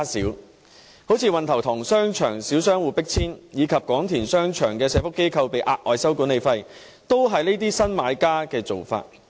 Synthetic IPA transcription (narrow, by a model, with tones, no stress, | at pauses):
sḭː˨˥w | ho˨˥wt͡sʰiː˧wɐ˨nt̪ʰɐ˨˩wt̪ʰʊ˨˩ŋsœː˥ŋt͡ʃʰœː˨˩ŋsiː˨˥wsœː˥ŋwuː˨˧pɪ˥k̚t͡sʰiː˥njiː˨˧kʰɐ˨p̚kɔː˨˥ŋt̪ʰiː˨˩nsœː˥ŋt͡ʃʰœː˨˩ŋkɛː˧sɛː˧fʊ˥kːe˥jkʰɐ˧wpe˨jʔaː˧t̚ʔɔː˨˧jsɐ˥wkuː˨˥nle˨˧jfɐ˧j | t̪o˥wɦɐ˨jneː˥t̪̬iː˥sɐ˥nmaː˨˧jkaː˥kɛː˧t͡so˨wfa̰ː˧t̚